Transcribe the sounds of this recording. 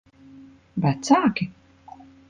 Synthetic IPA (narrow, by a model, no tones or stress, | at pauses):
bat̪saːkʲi